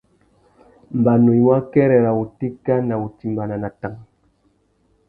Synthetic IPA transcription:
m̩˨ba˨no˨ɲ˦wa˦kɛ˦ɾɛ˨ɾa˨u˨ti˦ka˦na˨u˨ti˨mba˨na˨na˨ta˦ŋ

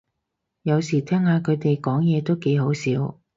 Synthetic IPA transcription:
jɐ˨˧wsiː˨˩t̪ʰɛː˥ŋhaː˨˧kʰɵ˨˧t̪e˨jkɔː˨˥ŋjɛː˨˧t̪o˥wke˨˧jho˨˥wsiː˨˥w

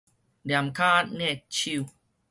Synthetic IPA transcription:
da˨˩˨mkʰaː˥˩t̪̚nɛ˥˧˩k̚t͡ɕʰi˧w

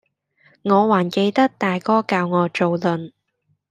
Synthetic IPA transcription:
ŋɔː˨˧waː˨˩nke˧jt̪ɐ˥k̚t̪aː˨jkɔː˥kaː˧wŋɔː˨˧t͡so˨wlɵ˨˧n

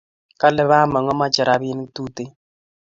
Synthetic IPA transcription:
ka˦lɛ˦βa˦ma˨ŋɔ˦ma˦d͡ʒa˨ɾa˨˦bi˦n˦tu˦te˦

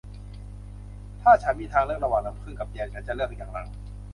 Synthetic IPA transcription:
t̪ʰaː˥˩t͡ɕʰa˨˦˥nmiː˧˥t̪ʰaː˧ŋlɯ˥˩ək̚a˧waː˨˩ŋna˧˥mkʰɯ˥˩nka˨˩p̚jɛː˧nt͡ɕʰa˨˦˥nt͡ɕa˨ʔlɯ˥˩ək̚jaː˨˩ŋna˧˩ŋ

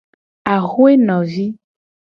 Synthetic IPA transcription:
a˨ɣu˦e˦nɔ̃˨vi˦

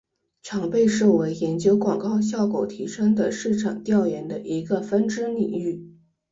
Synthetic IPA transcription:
ʈ͡ʂʰɑ˧˥ŋpe˥˧ɪʂɤ˥˩we˧˥ɪjɛ˧˥nt͡ɕjo˥ʊkwɑ˨˩ŋkɑ˥˧ʊɕ̬jɑ˥˩ʊko˨˩ʊt̪ʰi˧˥ʂɤ˥ŋd̪ə˨ʂɻ̩˥˩ʈ͡ʂʰɑ˨˩ŋt̪jɑ˥˩ʊjɛ˧˥nd̪ə˧ʔi˧˥ɡə˧fə˥nʈ͡ʂɻ̩˥nḭ˨˩ŋy˥˩

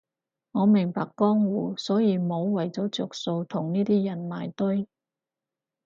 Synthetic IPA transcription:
ŋɔː˨˧mɪ˨˩ŋpaː˨kːɔː˥ŋwuː˨˩sɔː˨˥jiː˨˧mo˨˧wwɐ˨˩jt͡sɔː˨˥t͡sʊ˨˩k̚so˧wt̪ʰʊ˨˩ŋniː˥t̪iː˥jɐ˨˩nma̰ː˨˩jt̪ɵ˥j

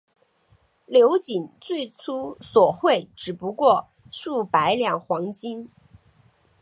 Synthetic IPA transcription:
ljo˧˥ʊt͡ɕi˨˩nt͡swe˥˩ɪt͡sʰu˥swɔ˨˩xwe˥˩ɪʈ͡ʂɻ̩˨˩pu˧˥kwɔ˥˧ | ʂu˥˩pa˧˥ɪljɑ˨˩ŋxwɑ˧˥ŋt͡ɕi˥n

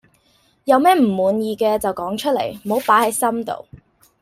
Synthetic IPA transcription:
jɐ˨˧wmɛː˥m̩˨˩muː˨˧njiː˨˧kɛː˧t͡sɐ˨wkɔː˨˥ŋt͡ʃʰɵ˥t̚lḛ˨˩jm̩˨ho˨˥wpaː˨˥hɐ˨˥jsɐ˥mt̪o̰˨˧w

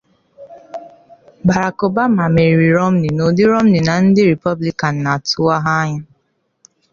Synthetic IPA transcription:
ba˨ɾa˨ko˨ba˦ma˨me˨ɾɾi˨ɾo˦m̩˦ni˨no˨dɪ˦ɾo˦m̩˦ni˨na˨n̩˦dɪ˦ɾi˨pɔ˦bli˦ka˨n̩˨na˨tʊ˦a˦ɦa˦ɲa˦

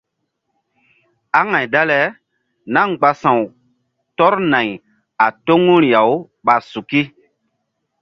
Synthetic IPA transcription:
a˦ŋa˨jda˦lɛ˨ | na˦ŋɡ͡ba˨sã˨w | tɔ˦ɾna˨j | a˨to˦ŋu˦ɾja˨w | ɓa˨su˨ki˦

